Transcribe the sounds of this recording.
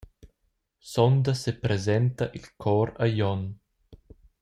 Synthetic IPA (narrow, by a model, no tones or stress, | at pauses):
sɔnd̪asepɾezɛnt̪aʔilkʰɔːɾajɔn